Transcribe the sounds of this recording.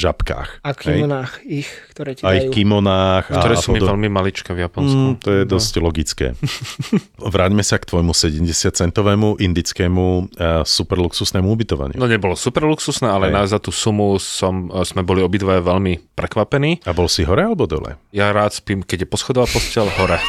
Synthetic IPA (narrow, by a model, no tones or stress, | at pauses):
ʒapka̰ːxakɦiɛjɔnaːxixkt̪ɔɾɛːcaixkimɔnaːxktat̪ɔɾɛːsuɔmidvɛʎmimalit͡ʃkɛvjapɔnskut̪ɔjɛd̪ɔsclɔɡit͡skɛ̰ː | ʋɾaːɟmɛsakt̪ʋɔjmusɛɟɛmɟɛsɪat̪t͡sɛnt̪ɔʋɛːmuʔind̪it͡skɛːmusupɛɾluksusnɛːmuubit̪ɔʋa̰ɲɪunɔɲɛbɔlɔsupɛɾluksusnɛːʔalɛnazat̪uːsumusɔmz̥mɛbɔliɔbid̪ʋajɛʋɛlmipɾɛkʋapɛniːabɔlsiɦɔɾɛalɛbɔd̪ɔ̰lɛ̰jaɾaːt̪spiːmkɛɟjɛpɔsxɔd̪ɔʋapɔscɪɛlɦɔɾɛ